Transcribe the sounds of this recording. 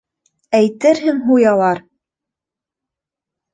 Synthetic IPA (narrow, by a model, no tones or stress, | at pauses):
æjt̪ɘɾɦɘŋɦujɑlˠɑɾ